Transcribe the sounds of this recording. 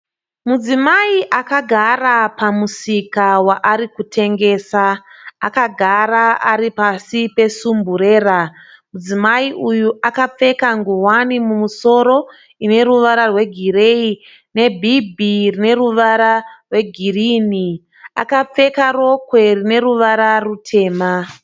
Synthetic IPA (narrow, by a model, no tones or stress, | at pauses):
mud͡zimaiʔakaɡʱarapamusikawaʔaɾikutʰe̞ŋɡe̞ːsaakaɡʱaɾaaɾipasipe̞sumbuɾe̞ːra | mud͡zimaiʔujuʔakap͡fe̞kaŋɡuwanimumuso̞ɾo̞ | ine̞ɾuʋaɾarwe̞ɡʱire̞i | ne̞bʱibʱirine̞ruʋaɾarwe̞ɡʱiriːni | a̰kap͡fe̞karo̞kwe̞rine̞ɾuʋaɾarutʰe̞ːma